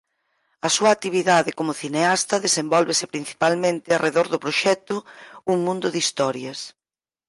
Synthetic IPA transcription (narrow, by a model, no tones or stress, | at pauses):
ɐsuat̪iβ̞iðaðɪkomʊθineast̪ɐðesembɔlβesɪpɾin̟θi̥palmẽnt̪ɪarʔeðoɾðʊpɾoʃɛt̪ʊuŋmũnd̪ʊðist̪ɔɾjɐs